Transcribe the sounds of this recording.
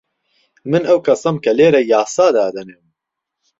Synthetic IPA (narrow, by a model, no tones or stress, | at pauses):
mɨnɐwkʰɐsɐmkʰɐleːɾɛjaːsaːd̪aːd̪ɐnem